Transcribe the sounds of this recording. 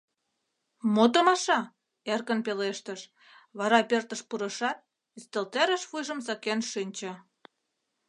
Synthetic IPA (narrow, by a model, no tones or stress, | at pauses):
mot̪omɑʃɑ | erkənpeleʃt̪əʃ | βɑɾɑpert̪ə̆ʃpuɾə̆ʃɑt̪̚ | ist̪elt̪eɾə̆ʃfujʒə̆msɑkenʃinʲt͡ɕə̆